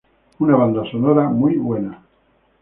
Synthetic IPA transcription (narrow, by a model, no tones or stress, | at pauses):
unaβ̞and̪asonoɾamujβwena